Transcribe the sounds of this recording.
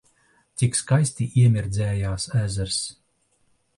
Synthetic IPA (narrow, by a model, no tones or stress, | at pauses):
t̪sʲikskajsʲt̪ʲiʔiɛmʲiɾd̪zʲɛːjaːsæːzæɾs